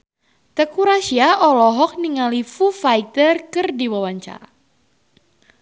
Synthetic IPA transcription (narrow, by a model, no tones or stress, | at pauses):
t̪əkuɾaʃiaɔlɔɦɔk̚niŋalifufajt̪ərkɨrdiwawaɲt͡ʃa̰a